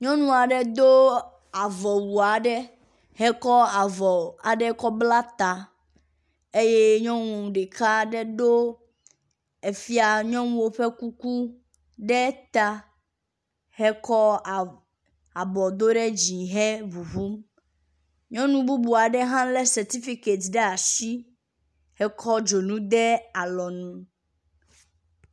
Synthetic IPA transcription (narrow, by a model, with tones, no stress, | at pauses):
ɲɔ̃˦nũ˦a˨ɖɛ˦d̪o˦ | a˨vɔ˨wu˨a˨ɖɛ˦ | ɦɛ˦kɔ˦a˨vɔ˨a˨ɖɛ˦kɔ˦bla˦t̪a˨ | e˦je˦ɲɔ̃˦wŋũ˨ɖɛ˨ka˦ɖɛ˦d̪o˦ | e˨fi˦a˨ɲɔ̃˦ũ˦wo˦ɸe˦ku˦ku˦ | ɖɛ˦t̪a˦ | hɛ˦kɔ˦˨ | a˨bɔ˨d̪o˦ɖɛ˦d͡ʑi˨ɦɛ˦βu˨ɦu˦m | ɲɔ̃˦nũ˦bu˦bu˨a˨ɖɛ˦ɦã˦lɛ˦sɛ˨t̪i˦fi˦ke˨t̪ɖɛ˦a˨si˦ | hɛ˦kʰɔ˦d͡ʒo˨nũ˦d̪ɛ˦a˨lɔ˨nũ˦